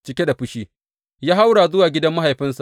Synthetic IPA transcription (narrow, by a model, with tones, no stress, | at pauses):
t͡ʃɪ˦kʲe˦da˨ɸʊ˦ʃiː˦ | jaː˦ɦa˦wɽaː˨zʊ˦waː˨ɡʲɪ˦dɐ˦mːa˦ɦa˨jɸɪ˦nsa˨